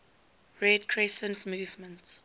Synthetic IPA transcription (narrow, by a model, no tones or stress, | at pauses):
ɹɛdkʰɹɛsə̃ntmuːvmə̃nts